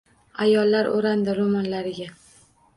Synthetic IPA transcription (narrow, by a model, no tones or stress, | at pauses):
ajɒlːaɾʔoɾand̪ɪɾomɒnlaɾɪɡʲa